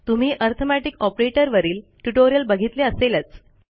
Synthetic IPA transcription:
t̪um̤iːʔəɾt̪ʰomæʈikɔpɾeʈəɾʋəɾiːlʈuʈoɾijəlbəɡʱit̪leəselət͡s

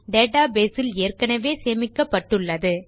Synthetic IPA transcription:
ɖeːʈaːbeːsɪleːrkɐnɐʋeːseːmɪkːɐpːɐʈːɯɭːɐðɯ

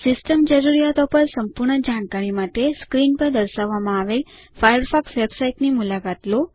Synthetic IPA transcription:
sisʈəmd͡ʑəɾuɾijat̪ɔpəɾsəmpuɾɳəd͡ʑaɳkaɾimad̪ʱeskɾiːnpəɾd̪əɾsaʋamãːʋel | fajəɾfʰɔksʋebsaiʈnimulakat̪lo

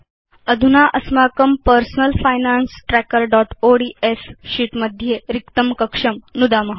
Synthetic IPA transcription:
əd̪ʱunaʔəsmakəmpəɾsnəlfajnansʈɾækəɾɖɔʈoɽiesɕiːʈməd̪ʱjeɾikt̪əmkəkʂəmnud̪aməɦ

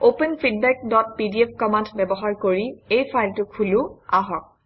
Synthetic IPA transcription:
openpʰid̚bɛk̚dɔt̚pidiepʰkɔmantbɛbɔɦaɹkoɹiejpʰajltʊkʰulʊaɦɔk̚

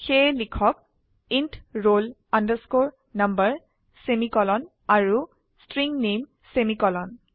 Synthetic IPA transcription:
xejlikʰɔk̚ | intɹol | andəskoɹ | nɐmbəɹ | semikɔlɔn | aɹu | stɹiŋnem | semikɔlɔn

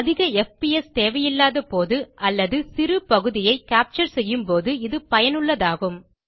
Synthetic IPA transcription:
ɐðɪɣɐɛfpiɛst̪eːʋɐjɪlːaːðɐpoːðɯʔɐlːɐðɯsɪɾɯpɐɣɯðɪjɐɪkaːp̚t͡ʃɐɾsɛjːɯmpoːðɯɪðɯpɐjɐnɯɭːɐðaːɣɯm

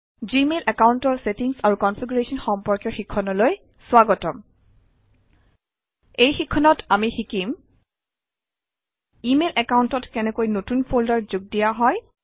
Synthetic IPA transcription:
zimelʔɛkawuntɔɹsetiŋsaɹukɔnfʰiɡuɹesɔnxɔmpɔɹkjɔɹxikʰːɔnɔloj | sʊwaɡɔtɔm | ejxikʰːɔnɔtʰamixikim | imelʔɛkawuntɔtkɛnɛkojnotunpʰoldɔɹzuɡ̚dijaɦɔj

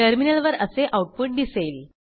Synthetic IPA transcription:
əɾminəlʋəɾəseʔauʈ̚puʈ̚d̪isəil

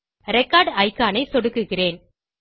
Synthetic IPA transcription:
ɾɛkːaːɾɖɐɪkːaːnɐɪsɔɽɯkːɯɣɪreːn

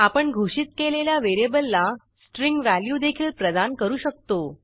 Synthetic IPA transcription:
apəɳɡʱoɕiːt̪keleljaʋeɾebəlːa | sʈɾiŋɡʋæljuːd̪ekʰiːlpɾəd̪ankəɾuːɕək̚t̪o

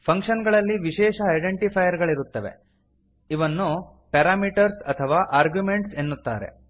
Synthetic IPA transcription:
pʰɐŋkʂɐnɡɐɭɐlːiʋiʃɛːʃɐːɐjɖeɳʈipʰɐjɐɾɡɐɭiɾut̪ːɐʋe̞̰ | iʋɐnːu | pɛɾaːmiʈɐɾsɐt̪ʰɐʋaːʔaːɾɡjumeɳʈse̞nːut̪ːa̰ːɾḛ

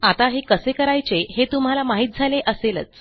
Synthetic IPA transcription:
at̪aɦekəsekəɾajt͡seɦet̪um̤alamaɦiːt̪̚d͡zʱaleʔəselət͡s

